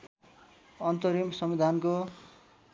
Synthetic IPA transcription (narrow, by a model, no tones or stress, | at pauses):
ʌnt̪ʌɾimsʌmid̪ʱanko